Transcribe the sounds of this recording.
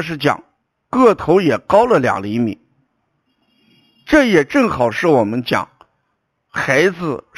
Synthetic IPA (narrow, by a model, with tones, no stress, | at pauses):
ʂɻ̩˥˩t͡ɕjɑ̰˨˩˦ŋ | kɤ˥˩t̪ʰo˧˥ʊjɛ˨˩kɑ˥ʊlə˨ljɑ̰˨˩ŋli˧˥mḭ˨˩˦ | ʈ͡ʂɤ˥˩jɛ˨˩ʈ͡ʂɤ˥˩ŋxɑ˨˩ʊʂɻ̩˥˩wɔ˨˩mə˦nt͡ɕjɑ̰˨˩˦ŋ | xa˧˥ɪd͡zɹ̩˧